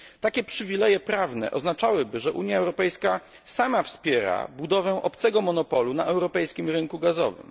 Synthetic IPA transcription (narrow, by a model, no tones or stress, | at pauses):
t̪akʲɛpʂɘvʲilɛjɛpɾavnɛ̰ʔɔznat͡ʂawɘbɘʐɛʔuɲjaɛwɾɔpɛjska | samafspʲjɛɾa̰bud̪ɔvɛ̃ʔɔpt̪sɛɡɔmɔnɔpɔlunaʔɛwɾɔpɛjskʲimɾɘŋkuɡazɔ̰vɘ̰m